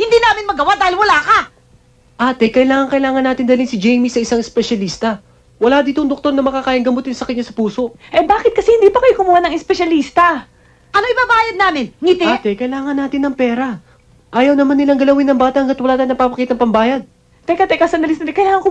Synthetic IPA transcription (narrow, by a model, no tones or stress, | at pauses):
hɪnd̪iːnaːmɪnmɐɡɐwad̪aːhɪlwɐlaːkɐ | ʔaːt̪ɛkɐɪlaːŋɐŋkɐɪlaːŋɐnːaːt̪ɪnd̪ɐlinsɪd͡ʒɛjmisɐʔɪsaŋɛspɛʃɐliːst̪ɐ | wɐlad̪iːt̪oŋd̪ok̚t̪o̞ɾnɐmɐkakaːjɐŋɡɐmot̪ɪnsɐkɐɲːasɐpuːso̞ʔʔɛbaːkɪt̪̚kɐsɛhɪnd̪iːpɐkɐjokʊmuːhanɐŋɛspɛʃɐliːst̪ɐ | ʔɐnoŋʔɪbabaːjɐd̪̚naːmɪnŋit̪ɛt̪ɛkɐɪlaːŋɐnːaːt̪ɪnːɐŋpɛːɾɐ | ʔaːjɐwnɐmanːɪlaŋɡɐlɐwɪnːɐŋbaːt̪ɐʔhɐŋɡɐt̪̚wɐlaːt̪anɐpapɐkiːt̪ɐŋpɐmbaːjɐd̪̚ | t̪ɐjkat̪ɛjkasɐnd̪ɐlɪsnɐɛkɐjlaːŋɐŋkʊ